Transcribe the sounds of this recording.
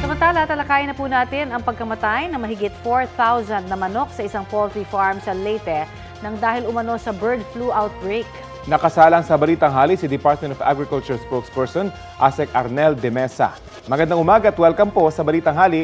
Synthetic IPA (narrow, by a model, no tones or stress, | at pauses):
sɐmɐnt̪aːlɐt̪ɐlɐkaːjɪnɐpuːnaːt̪ɪnɐŋpɐɡ̚kɐmɐt̪ajnɐŋmɐɦɪɡɪt̪foɹθawzɐnd̪̚nɐmɐno̞k̚sɐʔɪsɐŋpolt̪ɾifaɹmsɐlɛjt̪ɛ | nɐŋd̪aːhɪlʊmɐno̞sɐbɛɹd̪fluʔawt̪̚bɹejk | nɐkɐsaːlɐŋsɐbɐliːt̪ɐŋɦaːlisɪd̪ɪpaɹɾt̪̚mɛnt̪ɔfa̰ɡɹɪkɐlt͡ʃʊɹspokspɛɹsɔn | ʔasɛk̚ʔɐɾnɛld̪ɛmɛsɐ̰ | mɐɡɐnd̪aŋʔʊmaːɡɐt̪wɛlkɐmposɐbɐliːt̪ɐŋɦaːli